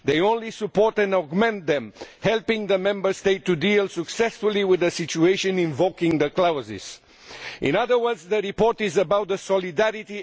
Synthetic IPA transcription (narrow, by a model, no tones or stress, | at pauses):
ðeɪõʊ̃nlisəpɔɹt̪ɛ̃nɔɡmɛ̃nt̪ðɛ̃mhɛlˠpɪ̃ŋðəmɛ̃mbə˞steɪtːudilsəksɛsfʊlˠiwɪðəsɪt͡ʃueɪʃɨ̃nɪ̃ɱvokɪ̃ŋðəklaʊzḭz̥ | ʔɪ̰̃nʌðə˞wə˞dzðəɹipɔɹtɪzəbaʊt̪̚ðəsɔlidæɹiti